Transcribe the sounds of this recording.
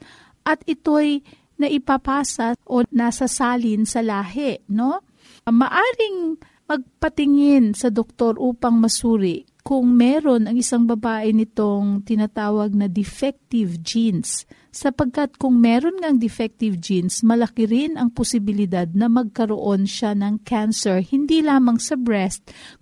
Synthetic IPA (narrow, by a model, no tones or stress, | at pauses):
ʔɐt̪ʔɪt̪o̞j | nɐʔɪpɐpaːsɐʔo̞nasɐsaːlɪnsɐlaːɦɛʔno̞ | mɐʔaːɾɪŋ | mɐɡ̚pɐt̪ɪŋɪnsɐd̪ok̚t̪o̞ɾʔuːpɐŋmɐsuːɾɪʔ | kʊŋmɛːɾo̞nɐŋɪsaŋbɐbaːʔɪnɪt̪o̞ŋt̪ɪnat̪aːwɐɡ̚nɐd̪ɛfɛk̚t̪ɪvd͡ʒinsː | ɐpɐɡ̚kɐt̪̚kʊŋmɛːɾo̞nŋɐŋd̪ɛfɛk̚t̪ɪvd͡ʒinsmɐlɐkɪɾɪnʔɐŋposɪbɪlɪd̪ad̪̚nɐmɐɡ̚kɐɾo̰ʔo̞nʃanɐŋkʰansɛɹhɪnd̪ilaːmɐŋsɐbɹɛst̪̚